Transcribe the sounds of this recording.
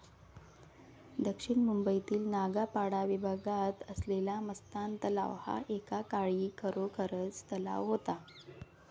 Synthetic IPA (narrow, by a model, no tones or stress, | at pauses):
d̪əkʂiɳmumbəit̪iːlnaɡapaɽaʋibʱaɡat̪əslelaməst̪ant̪əla̰ʋha̰ʔekakaɭiːkʰəɾokʰəɾət͡st̪əla̰ʋɦot̪a